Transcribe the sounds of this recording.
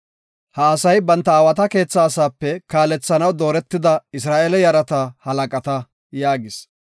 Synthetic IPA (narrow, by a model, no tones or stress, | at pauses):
hɐːsɐjbɐnt̪ːɐaːwɐt̪ɐke̞ːt͡sːaːsaːpːɛkaːlɛt͡sːɐnɐwd̪o̞ːɾɛt̪ːɪd̪ɐɪs̬ɾaːʔelɛjɐɾɐt̪ɐhɐlɐkʼɐt̪ɐ | jaːɡɪs